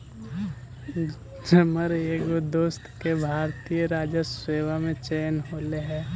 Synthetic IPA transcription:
d͡ʒəməɾeːɡod̪oːst̪kebʱaːɾt̪ijəɾaːd͡ʒəseːʋamẽt͡ʃeːnɦoːleɦɛ̃ː

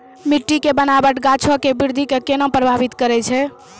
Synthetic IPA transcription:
miʈːikebənabəʈɡat͡ʃʰokebiɾd̪ʱikekenɔ̃pɾəbʱabit̪kəɾɛt͡ʃʰɛ

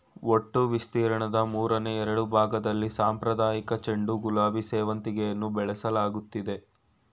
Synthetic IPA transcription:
oʈːuʋist̪iːɾɐɳɐd̪ɐmuːɾɐneɛɾɐɽubʱaːɡɐd̪ɐlːisaːmpɾɐd̪aːjikɐt͡ʃeɳɖuɡulaːbiseːʋɐnt̪iɡejɐnːubɛɭɛsɐlaːɡut̪ːid̪e̞

